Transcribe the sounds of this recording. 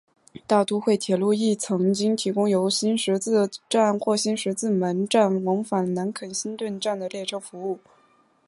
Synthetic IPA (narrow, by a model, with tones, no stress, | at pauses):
t̪ɑ˥˩ʊt̪u˥xwe˥˩ɪt̪ʰjɛ˨˩lu˥˧i˥˩t͡sʰɤ˧˥ŋt͡ɕi˥ŋt̪ʰi˧˥kʊ˥ŋjo˧˥ʊɕi˥nʂɻ̩˧˥t͡sɹ̩˥˩ʈ͡ʂa˥˧nxwɔ˥˩ɕi˥nʂɻ̩˧˥t͡sɹ̩˥˩mə˧˥nʈ͡ʂa˥˩nwɑ˧˥ŋfa˨˩nna˧˥nkʰə˨˩nɕi˥nt̪wə˥˧nʈ͡ʂa˥˩nd̪ə˩ljɛ˥˩ʈ͡ʂʰɤ˥fu˧˥u˥˩